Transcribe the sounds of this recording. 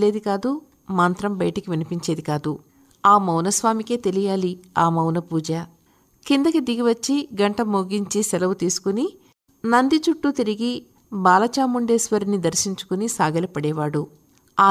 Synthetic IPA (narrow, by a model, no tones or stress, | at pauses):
le̞ːd̪ikaːd̪u | maːnt̪ɾɐmbɐjɐʈɐkiʋinipiɲt͡ʃe̞ːd̪ikaːd̪u | aːmɐwnɐsʋaːmike̞ːt̪e̞lijaːliaːmɐwnɐpuːd͡ʒɐ | kind̪ɐkid̪iɡiʋɐt͡ʃːiɡɐɳʈɐmoːɡiɲt͡ʃisɛlɐwut̪iːsu̥kuni | nɐnd̪it͡ʃuʈːut̪iɾiɡi | baːlɐt͡ʃaːmuɳɖeːsʋɐɾinid̪ɐɾʃiɲt͡ʃu̥kunisaːɡɐlipɐɽɛːʋaːɽu | aː